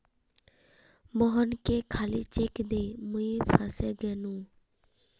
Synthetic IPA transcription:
mɔɦənkekʰaːliːt͡ʃekd̪eːmuipʰaseɡɛnũː

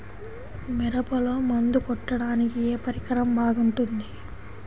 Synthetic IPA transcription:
miɾɐpɐlo̞ːmɐnd̪ukɔʈːɐɽaːnikieːpɐɾikɐɾɐmbʱaːɡuɳʈund̪i

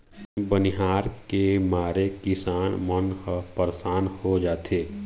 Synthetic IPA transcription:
bəniɦaːɾkemaːɾekɪsaːnmənkəpəɾsaːnhod͡ʒaːt̪ʰeː

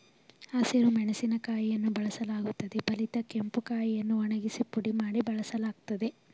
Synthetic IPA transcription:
aːsiɾumɛɳɐsinɐkaːjijɐnːubɐɭɐsɐlaːɡut̪ːɐd̪ebɐlit̪ɐke̞mpukaːjijɐnːuɔɳɐɡisipuɽimaːɽibɐɭɐsɐlaːɡ̚t̪ɐd̪e̞

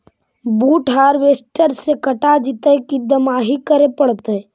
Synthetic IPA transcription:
buːʈɦaːɾʋeːsʈəɾsekəʈad͡ʒɪt̪əkid̪əmaːɦikəɾepəɽt̪e

